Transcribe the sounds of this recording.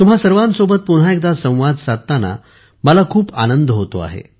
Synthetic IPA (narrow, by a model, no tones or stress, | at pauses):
t̪umɦasəɾʋansobət̪̚puɽ̤ɦaek̚d̪asə̃w̃ʋad̪sat̪ːana̰ | məlakʰuːpa̰nənd̪ʱɦot̪o̰a̰ɦḛ